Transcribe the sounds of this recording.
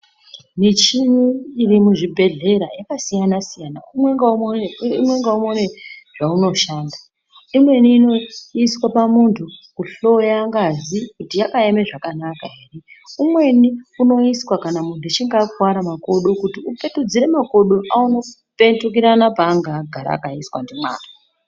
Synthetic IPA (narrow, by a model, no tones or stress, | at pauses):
nit͡ʃiɲuirimuʐibʱe̞ɮe̞ɾajakasijanasijana̰umweŋɡauimwe̞ŋɡaumone̞ʐ̥auno̞ʃaːnda | imwe̞niːno̞iswapamuntʰukuɬo̞jaːŋɡazikutijakaeme̞ʐakanakaɦe̞ːre̞umwe̞niuno̞iswakanamun̤tut͡ʃiŋɡakwaɾamako̞ɗokutiupe̞tud͡ziɾe̞mako̞ɗoʔauno̞ | pe̞ntuk̬iɾanapaːŋɡaɡʱaɾa̰ːkaiswa̰ndimwa̰ːna